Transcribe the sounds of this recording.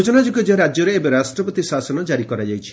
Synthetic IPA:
od͡ʒɔnad͡ʒoɡɔd͡ʒɔɾad͡ʒjɔɾeebeɾasʈɾɔpɔt̪isasɔnɔd͡ʒaɾikɔɾad͡ʒajt͡ʃʰi̥

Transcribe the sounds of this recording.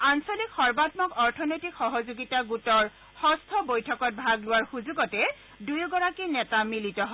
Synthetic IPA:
ansolikxɔɹbatmɔkɔɹtʰɔnojtikxɔɦɔzuɡitaɡutɔɹ | xɔstʰɔbojtʰɔkɔt̚bʱaɡlʊwaɹxuzuɡɔtɛ | dujɡɔɹakinɛtamilitɔɦɔ

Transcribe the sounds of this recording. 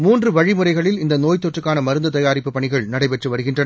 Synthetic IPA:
muːndrɯʋɐɻimɯrɐɪɣɐɭɪlɪnd̪ɐnoːjt̪ːɔʈrɯkːaːnɐmɐɾɯnd̪ɐt̪ɐjaːɾɪpːɯpːɐɳɪɣɐɭnɐɽɐɪpɛʈrɯʋɐɾɯɣɪndrɐnɐ

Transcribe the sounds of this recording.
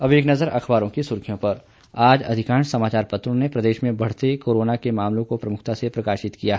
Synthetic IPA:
ɐbeːknɐzəɾɐxʰbaːɾõkisʊɾkʰijõpɐɾ | aːd͡ʒɐ̰d̪ʱɪkaːɳsɐmaːt͡ʃaːɾpɐt̪ɾõnepɾɐd̪eːʃmẽbɐɽ̤t̪ekoːɾoːnakemaːmlõkopɾɐmʊk̚ʰt̪asepɾɐkaːʃɪt̪kijaɦ

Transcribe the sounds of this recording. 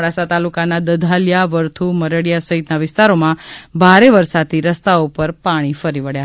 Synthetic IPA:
ɭasat̪alukanad̪əd̪ʱaljaʋəɾt̪ʰuməɾəɽjasəɦit̪naʋɪst̪aɾomãbʱaɾeʋəɾsad̪iɾəst̪aupəɾpaɽ̃ifəɾiʋəɽja

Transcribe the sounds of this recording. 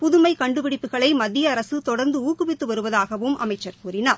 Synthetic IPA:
pʊðɯmɐɪkɐɳɖɯʋɪɽɪpːɯɣɐɭɐɪmɐðːɪjɐːɾɐsɯt̪ɔɽɐɾnd̪ɯuːkɯʋɪt̪ːɯʋɐɾɯʋɐðaːɣɐʋɯmʔɐ̰mɐɪt͡ʃːɐɾkuːɾɪnɐ

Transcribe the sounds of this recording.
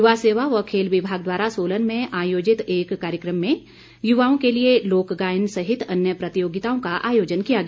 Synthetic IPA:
jʊʋaseːʋaʋɔkʰeːlʋɪbʱaːɡ̚d̪waːɾasoːlənmẽʔaːjoːd͡ʒɪt̪eːkːaːɾjəkɾəmːẽ | jʊʋaːõkelieloːkɡaːnsɐɦɪt̪ɐnjəpɾɐt̪ɪjoːɡɪt̪aːõkaʔa̰ːjoːd͡ʒənkijaɡ

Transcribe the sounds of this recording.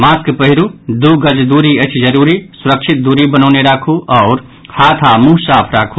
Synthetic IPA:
maskpəɦiɾud̪uɡəd͡ʒd̪uɾiəɪt͡ʃʰd͡ʒəɾuɾisuɾək̚t͡ʃʰit̪̚d̪uɾibənəʊneɾakʰuʔɔʊɾ | hat̪ʰamũɦsapʰɾakʰu

